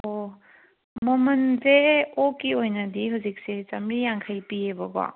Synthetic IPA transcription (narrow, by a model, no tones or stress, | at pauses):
o | mɔmɐnzeokiojnɐdiɦuzik̚set͡ʃɐmɾijaŋkʰajpiebɐba̰